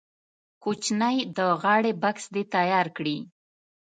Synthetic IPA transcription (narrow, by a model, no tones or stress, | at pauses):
kut͡ʃnajd̪əɣɑɽebaksd̪et̪ajɑɾkɽi